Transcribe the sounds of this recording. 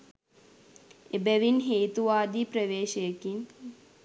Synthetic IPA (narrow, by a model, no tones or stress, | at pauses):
ebɛʋinɦeːt̪uʋaːd̪ipɾəʋeːʃəjəkin